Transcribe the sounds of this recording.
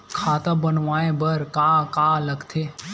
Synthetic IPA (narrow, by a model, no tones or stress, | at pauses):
kʰaːt̪ãbənʋaːẽbəɾkaːkaːləɡt̪ʰe